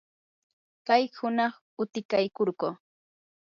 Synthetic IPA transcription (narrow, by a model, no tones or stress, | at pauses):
kajhʊnɑχ | ʊt̪ɪkajkoɾɢoː